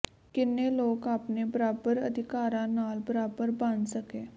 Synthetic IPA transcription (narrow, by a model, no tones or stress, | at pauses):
kɪnːeloːkaːpnebəɾaːbəɾə̰d̪ʱɪkaːɾãnaːlbəɾaːbəɾbãnd̪səkeː